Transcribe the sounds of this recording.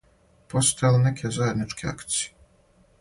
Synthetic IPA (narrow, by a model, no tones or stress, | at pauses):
pʰɔst̪ʰɛlˠnɛkʲʰɛzajad̪nit͡ʂkʲʰia̰kt̪sʲji